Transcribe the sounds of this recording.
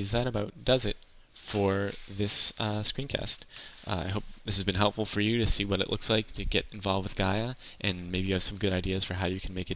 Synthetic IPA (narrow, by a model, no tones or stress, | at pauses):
ɨzðɨɾɨbaʊt̚d̥ʌzɨt̚ | fə˞ðɪsʌskɹ̥ĩnkʰæ̰stʔa̰ɪɦoʊp̚ðɪsɨzbɨ̃nɦɛlˠpfl̩ˠfə˞jɨɾɨsiwʌɾɨ̰ʔlʊ̰kslaɪk̚tʰɨɡɛɾɨ̃ɱvɑlˠvd̚wɨðɡaɪɨ | ʔɨ̃nmeɪbijɨːv̥sʌ̃mɡʊɾaɪdiɨz̥fə˞ɦaʊjɨkʰn̩meɪkɨt